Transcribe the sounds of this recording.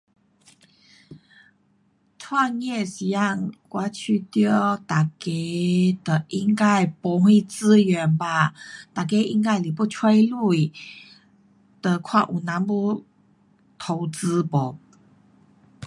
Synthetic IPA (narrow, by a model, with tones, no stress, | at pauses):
t͡sʰwa˥˧njɛ˥˩si˨˩ja˥˧˨ŋkwa˧˥˦t͡ɕʰy˥˧t̪jɔ˥˩t̪a˨˩ke˧˥˦d̪ə˨ʔi˥ŋka˥˧ɪpu˧˥hwe˥˧ɪt͡sɹ̩˥ɥɛ˨˧˦npa˧˩t̪a˨˩ke˧˦ʔi˧˥ŋka˥˩ɪli˨˩pu˥˩t͡sʰwe˥ɪlu˥˩i˨ | d̪̥ə˨kʰwa˥˨ʔu˨˩na˧˦npu˥˧ | t̪ʰo˧ʊt͡sɹ̩˧˦pɔ˨˩˦